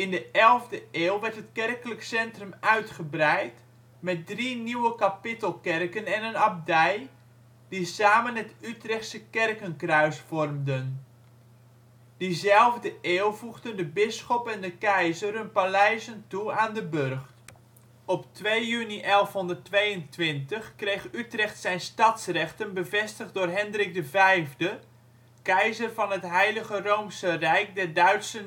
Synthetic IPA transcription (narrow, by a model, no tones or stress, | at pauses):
ɪndəʔɛlˠvdəeːlˠʋɛrtɦətkɛrkələksɛntrəmœɥtχəbrɛjt | mɛt̚driniwəkapɪtəlˠkɛrkənɛnənab̚dɛj | d̥isaːmənətytrɛχtsəkɛrkənkrœɥsfɔrmdən | d̥izɛlˠvdəʔeːlˠvuɣdəndəbɪsχɔpɛndəkɛjzərɦɵnpalɛjzəntuaːndəbørχt | ɔptʋejjyniʔɛlˠfɦɔndərtʋejəntʋɪntəχkrejχytrɛχtsɛjnstɑtsrɛχtənbəvɛstəχ̚dʊːrɦɛndrɪk̚dəvɛjvdə | kɛjzərvɑnɦətɦɛjləɣərowmsərɛjk̚dɛrdœɥtsən